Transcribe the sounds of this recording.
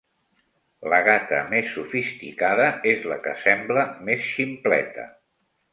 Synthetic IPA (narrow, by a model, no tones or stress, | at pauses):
ləɣat̪ə̰mesːufist̪ikaðəezləkə̰sɛmbləmesʃimplɛ̰t̪ə̰